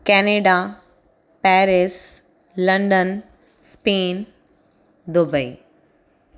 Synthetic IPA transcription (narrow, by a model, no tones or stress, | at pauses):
kɛːneːɖa | pɛːɾɪs | lɐ̃ɳɖən | speːn | d̪ʊbəḭ